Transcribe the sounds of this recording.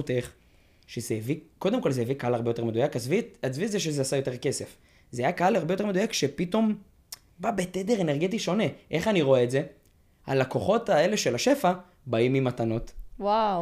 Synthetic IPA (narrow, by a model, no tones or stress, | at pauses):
ut̪eχ | ʃezeeviko̞d̪e̞mko̞lzeevikaalaʁbejoteme̞d̪ujakazviazvizeʃ̬ezeasajoteke̞se̞f | zeajakaalaʁbejote̞me̞dujakʃepit̪o̞m | babeted̪eʁeneʁɡetiʃo̞neʔe̞χaniʁo̞eːtze̞ | a̰lako̞χo̞tae̞le̞ʃelaʃe̞fa | baimimatano̞twaw